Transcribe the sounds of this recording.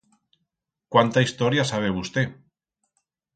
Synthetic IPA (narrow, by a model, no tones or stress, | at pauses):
kwant̪aist̪oɾjasaβ̞eβust̪e